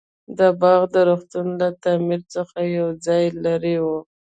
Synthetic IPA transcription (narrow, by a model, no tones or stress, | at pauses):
d̪əbɑɣd̪əɾoxt̪unlat̪ɑmiɾt͡səxajawd͡zɑjlaɾiwu